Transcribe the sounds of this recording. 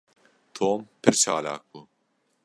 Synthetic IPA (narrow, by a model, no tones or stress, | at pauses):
t̪ʰoːmpʰɪɾt͡ʃa̰ːla̰ːk̚u